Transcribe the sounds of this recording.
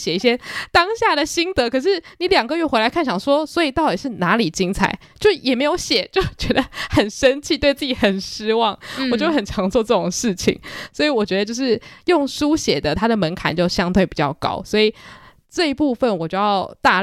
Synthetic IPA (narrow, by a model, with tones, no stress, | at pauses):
ɕjɛ˨˩i˥˩ɕ̬jɛ˥t̪ɑ˥ŋɕja˥˩d̪ə˩ɕi˥ŋt̪ɤ˧˥kʰɤ˨˩ʂ̬ɻ̩˥˩ni˨˩˦ljɑ˨˩ŋɡə˧jɥɛ˥˩xe˧˥la˧˥kʰa˥˩nt͡ɕʰjɑ˨˩ŋʂwɔ˥swɔ˧˥i˨˩t̪ɑ˥˩ʊt̪i˨˩ʂɻ̩˥˩na˧˥li˨˩t͡ɕi˥ŋt͡sʰa̰˨˩˦ɪt͡ɕjo˥˧ʊʂɻ̩˥˩jɛ˨˩m˧˥ɪjo˧˥ʊɕjɛ˨˩t͡ɕjo˥˧˩ʊt͡ɕɥɛ˧˥d̪ə˧xə˨˩nʂə˦˥nt͡ɕʰi˥˧t̪we˥˧ɪt͡sɹ̩˥˩t͡ɕi˨˩xə˨˩nʂɻ̩˥wɑ˥˨˩ŋwɔ˨˩t͡ɕjʊxə˨˩nʈ͡ʂʰɑ˧˥ŋt͡swɔ˥˧ʈ͡ʂɤ˥˩ʈ͡ʂo˨˩ŋʂɻ̩˥˩t͡ɕʰḭ˨˩˦ŋswɔ˧˥i˨˧˦wɔ˨˩t͡ɕɥɛ˧˥d̪ə˧t͡ɕo˥˧ʊʂɻ̩˥˩jʊ˥˩ŋʂu˥ɕjɛ˨˩d̪ə˦t̪ʰa˥d̪ə˨mə˧˥nkʰa̰˨˦nt͡ɕjo˥˧ʊɕjɑ˥ŋt̪ʰwe˥˩ɪpi˨˩t͡ɕjɑ˥˩ʊkɑ̰˥ʊswɔ˧˥i˨˩ | ʈ͡ʂɤ˥˧i˧˥pu˥˧fə˨nwɔ˨˩t͡ɕjo˥˧jɑ˥˧ʊt̪a˥˩